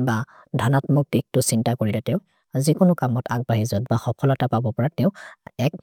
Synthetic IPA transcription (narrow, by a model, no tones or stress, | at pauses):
ba | dʱɔnatmuk̚tik̚tʊsintakoɹilɛtɛʊ | zikʊnʊkamɔtʰaɡ̚baɦizɔtbaxɔpʰɔlɔtapabɔpɔɹatɛʊ̃ɛk̚